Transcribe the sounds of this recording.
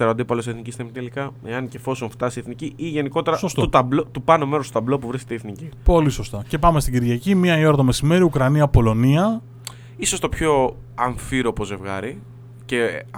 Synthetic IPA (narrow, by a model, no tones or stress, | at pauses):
eɾɐo̞t̪iipɐloseθnicist̪emit̪elikɐeɐnce̞fo̞soɱft̪ɐsieθniciʔiʝe̞niko̞t̪e̞ɾɐsost̪ut̪ɐblot̪upɐnomeɾost̪ot̪ɐblo̞puvɾisket̪eiːθnicipo̞liso̞st̪ɐce̞pɐme̞st̪iɟiɾʝɐcimiɐio̞ɾɐðome̞sime̞ɾiukɾɐniɐpo̞lo̞niɐ | iso̞st̪o̞pço̞ | ɐɱfiɾopo̞ze̞vɣɐ̰ɾi | ce